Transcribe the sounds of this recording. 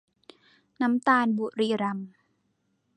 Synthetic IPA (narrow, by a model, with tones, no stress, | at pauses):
na˦˥mt̪aː˧nbu˨˩ɾiː˧ɾa˧m